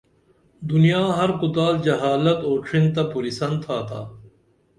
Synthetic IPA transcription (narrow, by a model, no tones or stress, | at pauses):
d̪ʊnijaːɦɐɾkʊt̪aːld͡ʑɐɦaːlɐt̪oːʈʰɾint̪ɐpuɾisɐnt̪ʰːaːt̪ʰa̰ː